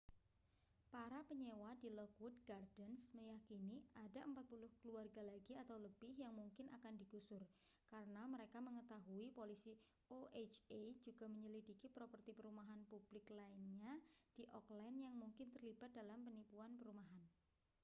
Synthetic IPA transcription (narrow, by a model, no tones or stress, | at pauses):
paɾapəɲewadilɔkwʊd̚ɡardənsməjakiniadaʔəmpat̪̚pulʊhkəluarɡalaɡiat̪awləb̥ɪhjaŋmuŋkɪnʔakandiɡusʊr | kaɾənaməɾekaməŋət̪aɦuipolisi | oʔet͡ʃed͡ʒuɡ̥a̤məɲəlidikipɾopərt̪ipəɾumaɦanpub̥lɪklaɪnɲad̥iʔɔklɛnjaŋmuŋkɪnt̪ərlib̥at̪̚dalampənipuanpəɾumaɦan